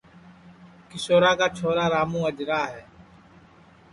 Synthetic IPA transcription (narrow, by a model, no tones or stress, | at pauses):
kɪsoːɾaːkaːt͡ʃʰoːɾaːɾaːmũːəd͡ʒɾaːɦɛː